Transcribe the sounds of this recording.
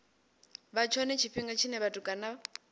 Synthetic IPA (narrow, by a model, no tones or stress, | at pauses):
βat͡ʃʰɔnɛt͡ʃʰiɸiŋɡat͡ʃʰinɛβatʼukʼana